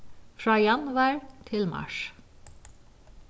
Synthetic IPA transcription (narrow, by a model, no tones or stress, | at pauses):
fɹɑːjɑnʋæɹt̪ʰɪlmɑ̰ʃ